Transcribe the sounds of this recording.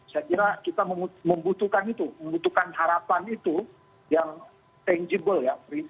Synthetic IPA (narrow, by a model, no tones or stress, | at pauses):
sakiɾakit̪aməmuməmbut̪ukanit̪uməmbut̪ukanhaɾapanit̪u | jaŋ | t̪ɛnd͡ʒibəljapɾi